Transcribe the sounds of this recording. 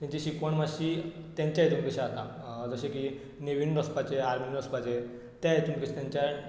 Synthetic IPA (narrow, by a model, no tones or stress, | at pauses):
t̪ãɲt͡ɕeɕikʋəɳmaɕi | t̪jãɲt͡ɕjajt̪umkeɕaat̪a | d͡zəɕeki | neʋinɾəspat͡ɕeaɾminɾəspat͡ɕe | t̪jajt̪umke̥t̪jãɲt͡ɕa